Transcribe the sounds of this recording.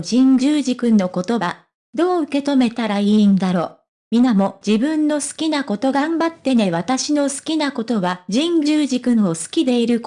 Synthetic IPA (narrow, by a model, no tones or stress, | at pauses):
d͡ʑĩɲd͡ʑɨːʑikɯ̟̃nːo̞ko̞t̪o̞a | d̪o̞ːɯ̟ke̞t̪o̞me̞t̪aɾaiːnd̪aɾo̞ː | mʲinamo̞d͡ʑibɯ̟̃nːo̞sɨ̥kʲinako̞t̪o̞ɡambat̪ːe̞ne̞β̞at̪aɕino̞sɨ̥kʲinako̞t̪o̞βaʑĩɲd͡ʑɨːʑikɯ̟̃ɰosɨ̥kʲid̪e̞iɾɯ̟k